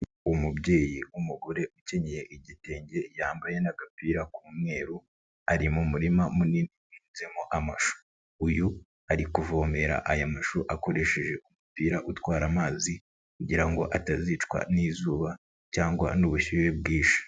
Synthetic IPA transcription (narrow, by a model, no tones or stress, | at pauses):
umubɟe̞ːjiumuɡoɾe̞ʔuce̞ɲeje̞ʔiɟite̞ːɲɟe̞jaːmbaje̞naɡapiːɾakuːmŋe̞ːɾu | aɾimumuɾimamuniniwiːnzemoʔamaʃu̥ | uju | aɾikuvoːme̞ɾa̰ʔajamaʃuʔako̞ɾe̞ʃe̞ʒe̞umupiːɾaʔutwaːɾamaːzi | kuɟiɾaŋɡo̞̰ʔatazit͡ʃkwa̰niːzuːβa | caːŋɡwa̰nuβuçiβe̞bɡiːʃḁ